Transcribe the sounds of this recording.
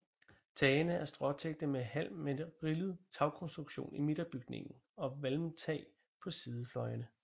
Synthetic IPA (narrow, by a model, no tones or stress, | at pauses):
t͡sʰɛːnəæɐsd̥ʁɒ̽t͡sʰeɡ̥̚d̥əmehæl̰meʁiləð̞̩ˠt͡sʰɑ̈ʊkʰɔ̽nsd̥ʁuɡ̥ɕo̝̰ːnime̝d̥ɐb̥yɡ̥ne̝ŋn̩ | ɒ̽ʋælmt͡sʰɛ̰ː | pʰɒ̽siːð̞ˠəflɒ̽ɪɐnə